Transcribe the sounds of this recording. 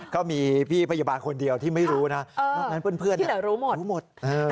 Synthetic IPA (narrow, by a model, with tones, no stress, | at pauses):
kʰa˦˥˩wmiː˧pʰiː˥˩pʰa˧ja˧baː˧nkʰo˧ndi˧əwt̪ʰiː˥˩ma˥˩jɾuː˦˥na˦˥ɤː˧a˦˩na˦˥npːnpʰɯ˥˩əni˥˧dɛː˨˩˦ɾoː˦˥moː˨˩˦mo˨˩t̪̚ʔɤː˧˩